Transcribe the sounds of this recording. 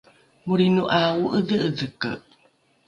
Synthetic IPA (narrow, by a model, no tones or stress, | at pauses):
muɾinuʔauʔədəəðəkə̰